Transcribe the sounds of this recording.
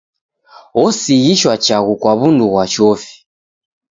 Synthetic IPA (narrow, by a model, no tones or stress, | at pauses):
ɔsiɣiʃwat͡ʃaɣukwaβunduɣwat͡ʃɔfi̥